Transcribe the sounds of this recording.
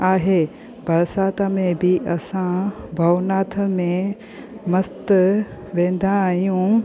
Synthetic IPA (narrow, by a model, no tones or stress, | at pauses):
aːɦeː | bʱɐɾsaːt̪amẽbʱiʔɐsãbʱɐʋnaːt̪ʰəmẽ | mɐst̪ʋẽːn̆d̪ʱãɦijũ